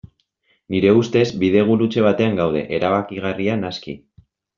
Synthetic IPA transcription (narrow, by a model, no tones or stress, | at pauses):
niɾe̞ust̪e̞zbiðe̞ɣ̞uɾut͡ʃe̞β̞at̪e̞aŋɡawð̞e̞̰ʔeɾaβakiɣ̞arianaskḭ